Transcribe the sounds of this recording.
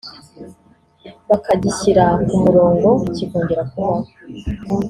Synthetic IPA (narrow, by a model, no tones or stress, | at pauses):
βakaɟiɕiɾakumuɾo̞ːŋɡo̞iciɡoːɲɟeɾakuβaho